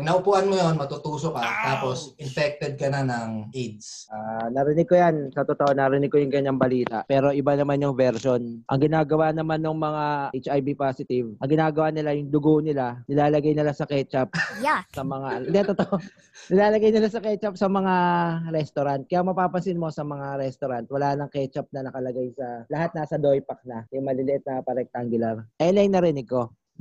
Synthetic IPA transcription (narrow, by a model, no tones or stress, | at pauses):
nɐʔʊpuːʔɐnmojonmɐt̪ut̪uːsokat̪aːpo̞sʔɪnpɛk̚t̪ɛd̪̚kɐnanɐŋʔid̪sʔaːnɐɾɪnɪɡ̚kojansɐt̪ot̪oʔonɐɾɪnɪɡ̚kojʊŋɡɐɲɐŋbɐliːt̪a̰ʔpɛːɾo̞ʔɪbanɐmanjʊŋvɛɾʃonʔɐ̰ŋɡɪnaːɡɐwanɐmanːoŋmɐŋaʔet͡ʃʔajbipasɪt̪ɪvʔɐŋɡɪnaːɡɐwanɪlajʊŋd̪ʊɡoʔnɪlanɪlaːlɐɡajnɪlasɐkɛt͡ʃɐp̚jsɐmɐŋaɪnd̪ɛt̪ot̪oʔ | nɪlaːlɐɡajnɪlasɐkɛt͡ʃɐp̚sɐmɐŋaɾɛst̪oɾant̪̚kɐjamɐpaːpɐsɪnmo̞sɐmɐŋaɾɛst̪oɾant̪wɐlaːnɐŋkɛt͡ʃɐp̚nɐnɐkɐlɐɡajsɐlɐɦat̪̚nɐsɐd̪o̞jpɐk̚nɐjʊŋmɐlɪlɪʔɪt̪̚nɐpɐɾɛk̚t̪aŋɡʊlaɾʔɛlɛjnɐɾɪnɪɡ̚ko̞